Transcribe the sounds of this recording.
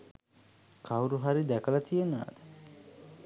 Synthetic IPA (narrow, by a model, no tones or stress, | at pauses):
kʰawɾuɦaɾid̪ækəlat̪ijena̰ːd̪ə̥